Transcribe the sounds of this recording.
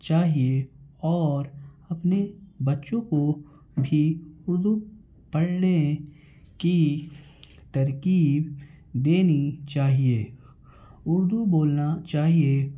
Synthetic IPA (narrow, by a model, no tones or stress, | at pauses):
t͡ʃaːɦieɔːɾɐpnebɐtːʃõko | bʱiʊɾd̪u | pɐɽne | ki | t̪ɐɾkiːb | d̪eːnit͡ʃaːɦieː | ʊɾd̪uboːlnat͡ʃaːɦie